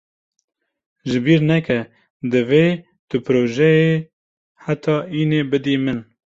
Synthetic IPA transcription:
ʒɨbiːɾnɛkɛ | d̪ɨveː | t̪ɨpɨɾoːʒɛje | ħat̪ʰɑːiːnebɨd̪iːmɨn

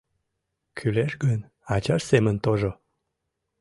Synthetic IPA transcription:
kʰyleʃɡən | at͡ɕɑʃsemənt̪oʒo

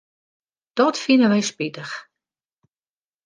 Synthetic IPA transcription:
d̥ɔtfinəʋɛjspitəx

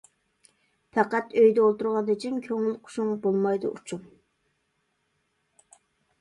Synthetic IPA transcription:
pʰɛqæt̪øjd̪ɛolˠt̪uɾʁɑnd̪ɨt͡ʃʰimkʲʰøŋɪlqʰʊ̥ʃuŋbolˠmɑjd̪ʊ̰ʔṵt͡ʃʰum

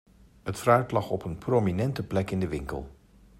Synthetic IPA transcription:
ətfraɥtlɑχɔpənprominɛntəplɛkɪndəʋɪŋkə̰lˠ

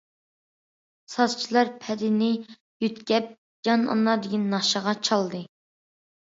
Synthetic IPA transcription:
sɑzt͡ʃʰilˠɑɾpʰɛd̪ɪnɪ | jyt̪ɡʲɛp̚ | d͡ʒɑnɑ̰nːɑd̪ɪɡʲinːɑʃəʁɑt͡ʃʰɑlˠd̪ɨ

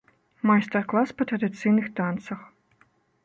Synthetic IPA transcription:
majst̪ɛrklˠaspɐt̪ɾɐd̪ɨt̪sɨjnɨxt̪ant̪sɐx

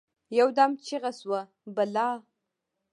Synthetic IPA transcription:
jawd̪amt͡ʃiɣaswa | balɑː

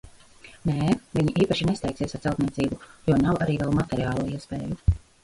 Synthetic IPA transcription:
neːviɲiʔiːpaʃinest̪ɛjksiɛsaɾt̪sɛlˠt̪niɛt̪siːbujuɔːnawaɾiːvɛlˠmat̪eɾiaːlˠuɔiɛspḛːju

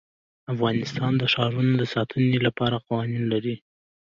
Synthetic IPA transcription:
afɣɑnɪst̪ɑnd̪əʃɑɾunod̪əsɑt̪ʰənelapɑɾaqɑwɑninlaɾi

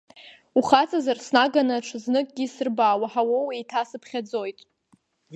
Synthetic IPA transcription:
uχat͡sʼazarsnaɡanaʈ͡ʂʰɨznɨkʼɡʲisɨrbaːwaħawowijtʰasɨpʰχʲad͡zo̞jtʼ

